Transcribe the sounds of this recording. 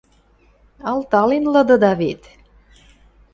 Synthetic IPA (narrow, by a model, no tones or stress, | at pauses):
ɑlt̪ɑlenlɤ̆d̪ɤ̆d̪ɑβet̪